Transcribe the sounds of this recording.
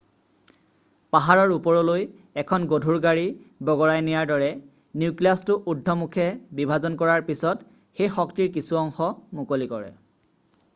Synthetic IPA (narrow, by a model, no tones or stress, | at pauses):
paɦaɹɔɹupɔɹɔloj | ɛkʰɔnɡodʱuɹɡaɹibɔɡɔɹajnijaɹdɔɹɛ | niuklastʊʔudʱːɔmukʰɛbibʱazɔnkɔɹaɹpisɔt | xejxɔktiɹk̬isuɔŋxɔmukolikɔɹɛ̰